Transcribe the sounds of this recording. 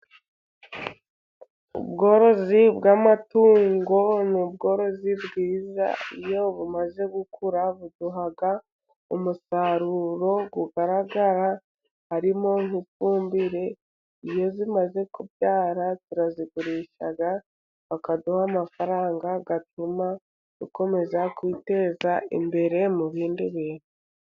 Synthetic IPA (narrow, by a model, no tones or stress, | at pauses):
ṵbɡo̞ːɾo̞zibɡamatuːŋɡo̞nub̚ɡo̞ːɾo̞zibɡiːza̰ijo̞βumaze̞ɡukʰuɾaβuduɦaɡa | umusaɾuɾo̞ɡuɡaɾaɡaɾa | haɾimo̞ŋifuːmbiɾe̞ | ijo̞zimaze̞kubjaːɾatiɾaziɡuɾiːʃa̰ɡa | βakaduhamafaɾaːŋɡaɡatuma | ɡ̥uko̞me̞zakwite̞ːzaḭmbe̞ɾe̞muβiːndiβiːne